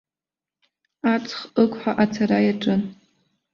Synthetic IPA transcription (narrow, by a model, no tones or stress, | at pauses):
at͡sʰχɨkʷʰʼħaʔat͡sʰaɾajaʈ͡ʂʼɨn